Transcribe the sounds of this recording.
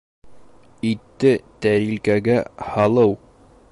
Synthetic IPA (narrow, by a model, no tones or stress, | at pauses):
it̪ːɘt̪æɾilkæɡæhɑlˠɤw